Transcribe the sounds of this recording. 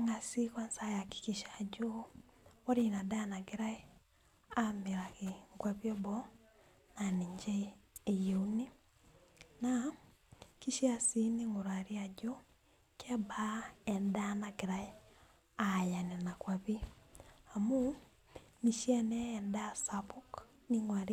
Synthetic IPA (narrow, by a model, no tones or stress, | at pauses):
ŋasikwansajaki̥kiʃad͡ʒo | ɔɾinadanaɡeɾai | ameɾaɣeŋɡwaβiɔbɔ | naniɲd͡ʒɛːjouni | na | kiʃiasiniŋoɾaɾiad͡ʒo | kɛbaɛndanaɡeɾai | ajanenakwaβi | amu | miʃianɛːndasaβuk | niŋwaɾi